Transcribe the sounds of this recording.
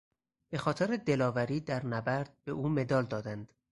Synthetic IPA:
b̥e̞xɒːt̪ʰeɾed̪e̞lɒːvæɾiːd̪æɾnæbæɾd̪̥̚be̞ʔuːme̞d̪ɒːld̪ɒːd̪ænd̪̥

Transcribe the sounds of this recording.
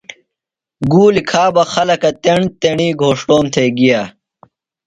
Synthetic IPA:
ɡuːlikʰaːbɐxɐlɐkɐt̪eɳt̪eɳiːɡʱoːʂʈoːmt̪ʰeːɡijaː

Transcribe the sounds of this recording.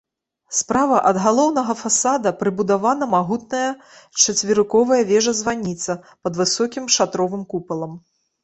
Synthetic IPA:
spɾavɐʔɐd̪ɣalˠɔwnɐɣɐfasad̪ɐpɾɨbud̪avanɐmaɣut̪̚nɐjɐ | t͡ʂɐt͡sʲvʲiɾɨkɔvɐjɐvʲɛʐɐzvanʲit̪sɐ | pɐd̪vɨsɔkʲimʂat̪ɾɔvɨmkupɐlˠɐm

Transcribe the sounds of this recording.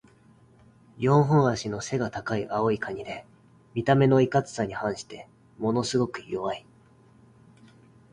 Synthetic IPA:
jõ̞ɰ̃ɦõɰ̃aɕino̞se̞ɡat̪akaiʔao̞ikʰaɲ̟id̪e̞ | mʲit̪ame̞no̞ikat͡sɨ̥saɲ̟ihãɰ̃ɕi̥t̪e̞ | mo̞no̞sɨɡo̞kɯ̟̥jo̞βai

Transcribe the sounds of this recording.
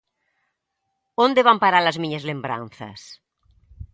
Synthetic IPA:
õnd̪eβampaɾalɐzmiɲɐzlembɾa̰nθɐ̰s

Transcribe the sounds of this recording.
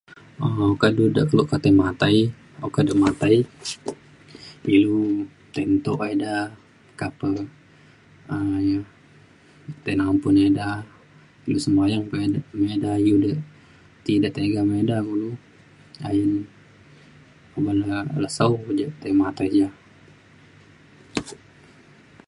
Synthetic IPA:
əokadudəʔkəluʔkat̪ajmat̪aj | okadəʔmat̪aj | ilu | t̪ent̪oʔeda | kapə | ja | t̪enampuneda | ilusəmajaŋpemedajudəʔ | t̪idəʔt̪eɡamedaɡulu | a̰jən | obalələsaud͡ʒəʔt̪əjmat̪əd͡ʒa

